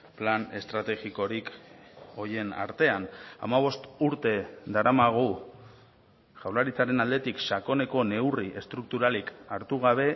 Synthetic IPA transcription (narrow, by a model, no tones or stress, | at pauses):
plane̞st̪ɾat̪e̞ɣiko̞ɾik | o̞je̞na̰ɾt̪e̞ana̰maβ̞o̞st̪uɾt̪e̞d̪aɾamaɣ̞u | ʝawlaɾit͡saɾe̞nald̪e̞t̪ikʃako̞ne̞ko̞ne̞wriʔe̞st̪ɾuk̚t̪uɾalikaɾt̪uɣ̞aβ̞e̞